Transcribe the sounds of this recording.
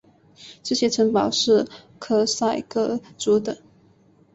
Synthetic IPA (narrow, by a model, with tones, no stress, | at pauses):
ʈ͡ʂɤ˥˩ɕjɛ˥ʈ͡ʂʰə˧˥ŋpɑ˨˩ʊʂɻ̩˥˩ | kʰɤ˥sa˥˩ɪkɤ˥˩ʈ͡ʂu˧˥d̪ə˨˦